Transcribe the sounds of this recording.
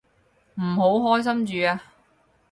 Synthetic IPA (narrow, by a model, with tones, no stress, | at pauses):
m̩˨˩ɦo˨˥wɦɔː˥js̬ɐ˥mt͡ʃyː˨˧aː˧